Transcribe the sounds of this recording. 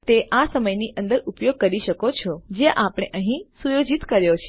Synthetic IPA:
t̪eʔasəməjniʔə̃nd̪əɾupjoɡ̚kəɾiʃəkot͡ʃʰɔd͡ʒeʔapɽ̃eʔəɦĩsujod͡ʒit̪kəɾjot͡ʃʰe

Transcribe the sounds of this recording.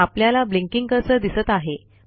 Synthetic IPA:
apljalablĩŋkiŋɡkəɾsəd̪isət̪aɦe

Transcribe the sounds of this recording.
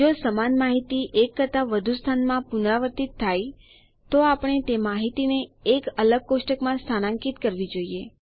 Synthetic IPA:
d͡ʒosəmanmaɦit̪iʔekːət̪aʋəd̪ʱust̪ʰanmãpunɾaʋəɾt̪it̪ʰːaj | t̪oapəɳ̃et̪emaɦit̪ineːkələɡ̚kosʈəkmãst̪ʰanãŋkit̪kəɾʋid͡ʒoie

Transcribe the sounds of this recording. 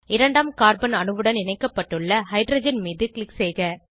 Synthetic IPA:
ɪɾɐɳɖaːmkaːɾbɐnɐnɯʋɯɽɐnɪnɐɪkːɐpːɐʈːɯɭːɐhɐɪɖɾɐːd͡ʒɐnmiːðɯkɭɪkseːɣɐ

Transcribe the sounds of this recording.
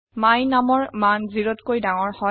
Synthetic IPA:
majnamɔɹmanziɹɔtkojdaŋɔɹhɔ

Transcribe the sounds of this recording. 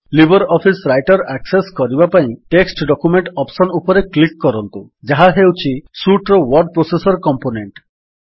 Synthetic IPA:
libʱɔɾɔpʰisɾajʈɔɾakseskɔɾibapaĩʈeksʈɖɔkumeɳʈɔpsɔnupɔɾeklikːɔɾɔnt̪ud͡ʒaɦaɦewt͡ʃʰisuʈɾowɔɾɖ̚pɾosesɔɾkɔmponeɳʈ

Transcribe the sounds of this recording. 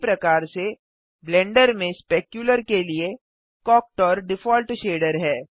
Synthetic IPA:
pɾɐkaːɾse | blɛ̃ːɳɖəɾmẽspeːkjuləɾkelie | kɔːk̚ʈɔːɾɖɪfɔːlʈʃeːɖəɾɦɛː

